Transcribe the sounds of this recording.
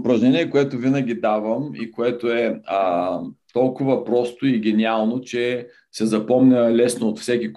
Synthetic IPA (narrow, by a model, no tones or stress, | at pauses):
pɾɐʒnʲɛniɛkoɛt̪ʊvinəɡ̟ʲid̪avəmḭkoɛt̪oɛət̪ɔlˠkʊvəpɾɔst̪oiɡ̟ʲɛnʲialˠnot͡ʃɛ | sɛzɐpɔmnʲəlɛsnoot̪fsɛkʲik